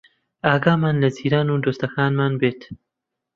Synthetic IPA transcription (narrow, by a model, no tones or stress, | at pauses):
ʔaːɡaːmaːnlɐziːɾaːnuːd̪oːst̪ɐkaːnmaːnbeːt̪